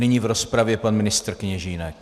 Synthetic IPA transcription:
nɪɲiːvɾɔspɾavjɛpanmɪnɪst̪ɾkɪɲɛʒiːnɛk

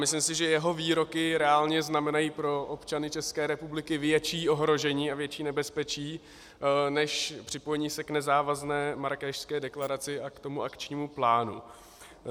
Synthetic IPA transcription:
mɪslimsɪʒɛjɛɦo̞viːɾo̞kɪɾɛaːlɲɛznamɛnajiːpɾo̞ʔopt͡ʃanɪt͡ʃɛskɛːɾɛpublɪkɪvjɛt͡ʃiːʔo̞ɦɾo̞ʒɛɲiːavjɛt͡ʃiːnɛbɛspɛt͡ʃiː | nɛʃpr̝̥ɪpo̞jɛɲiːsɛknɛzaːvaznɛːmaɾkɛːʃskɛːdɛklaɾat͡sɪakt̪o̞muʔakt͡ʃɲiːmuplaːnṵ

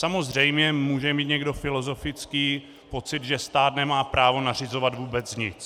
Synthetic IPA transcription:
samo̞zr̝ɛjmɲɛmuːʒɛmiːt̪ɲɛɡdo̞fɪlo̞zo̞fɪt͡skiː | po̞t͡sɪd̪ʒɛst̪aːt̪nɛmaːpɾaːvo̞nar̝ɪzo̞vat̪vuːbɛt͡sɲɪt͡s

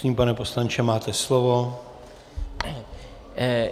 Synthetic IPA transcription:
ɲiːmpanɛpo̞slant͡ʃɛmaːt̪ɛslovo̞

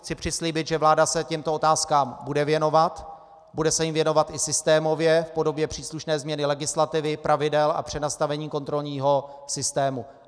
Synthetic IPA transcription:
xt͡sɪpr̝̥ɪsliːbɪt̪ʒɛvlaːdasɛcɛmt̪oot̪aːskaːmbudɛvjɛno̞vat̪ | budɛsɛjɪmvjɛno̞vat̪ʔɪsɪst̪ɛːmo̞vjɛfpo̞do̞bjɛpr̥iːsluʃnɛːzmɲɛnɪlɛɡɪslat̪ɪvɪpɾʔavɪdɛla̰pr̝̥ɛnast̪avɛɲiːko̞nt̪ɾo̞lɲiːɦo̞sɪst̪ɛːmu

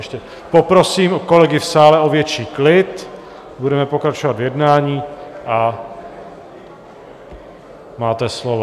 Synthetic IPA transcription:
ɛʃcɛ | popɾo̞siːmko̞lɛɡɪfsaːlɛo̞vjɛt͡ʃiːklɪt̪ | budɛmɛpo̞kɾat͡ʃovad̪vjɛdnaːɲiːʔa | maːt̪ɛslovo

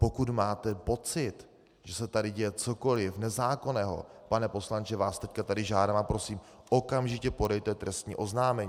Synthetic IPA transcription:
po̞kut̪maːt̪ɛpo̞t͡sɪt̪ | ʒ̥ɛsɛt̪adɪɟɛjɛt͡soko̞lɪfnɛzaːko̞nɛːɦo̞̰panɛpo̞slant͡ʃɛvaːst̪ɛckat̪adɪʒaːdaːmapɾo̞siːm | ʔo̞kamʒɪcɛpo̞dɛjt̪ɛt̪ɾɛst̪ɲḭːʔo̞znaːmɛɲiː

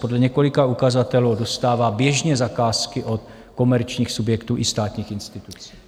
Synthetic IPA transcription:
podlɛɲɛko̞lɪkaukazat̪ɛluːdo̞st̪aːvaːbjɛʒɲɛzakaːskɪʔo̞t̪ | ko̞mɛɾt͡ʃɲiːxsubjɛkt̪uːʔɪst̪aːt̪ɲiːxɪnst̪ɪt̪ut͡si̥ː

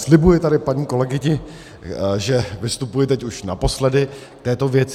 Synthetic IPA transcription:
slɪbujɪt̪adɪpaɲiːkolɛɡɪɲɪ | ʒɛvɪst̪upujɪt̪ɛcuʃna̰po̞slɛdɪk̚t̪ɛːt̪o̞vjɛt͡sɪ

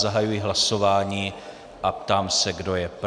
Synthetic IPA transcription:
zaɦajujɪɦlasovaːɲiː | ʔapt̪aːmsɛɡdo̞jɛp

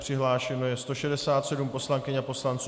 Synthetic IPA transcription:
pr̝̥ɪɦlaːʃɛno̞jɛst̪o̞ʃɛdɛsaːt̪sɛdumpo̞slaŋkɪɲapo̞slant͡suː

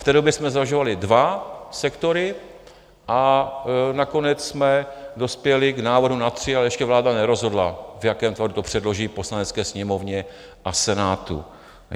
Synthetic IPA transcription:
ft̪ɛːdo̞bjɛsmɛzaʒovalɪdvasɛkt̪o̞ɾɪ | ʔa | nako̞nɛt͡ssmɛdo̞spjɛlɪɡnaːvodɦunat̪r̝̥ɪalɛjɛʃcɛvlaːdanɛɾo̞zɦo̞dlavjakɛːmt̪vadut̪opr̝̥ɛdlo̞ʒiːpo̞slanɛt͡skɛːsɲɛmo̞vɲɛ | ʔasɛnaːt̪ṵ

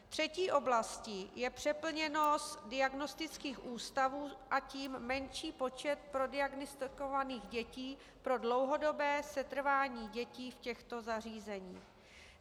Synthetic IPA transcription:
t̪r̝̥ɛciːʔo̞blascɪjɛpr̝̥ɛpl̩ɲɛno̞sdɪaɡno̞st̪ɪt͡skiːxʔuːst̪avuːʔaciːmːɛnʃiːpo̞t͡ʃɛt̪̚pɾo̞dɪaɡnɪst̪ɪko̞vaniːɣɟɛciː | pɾo̞dlo̞wɦo̞do̞bɛːsɛt̪r̩vaːɲiːɟɛciːfcɛxt̪o̞zar̝iːzɛɲiːx

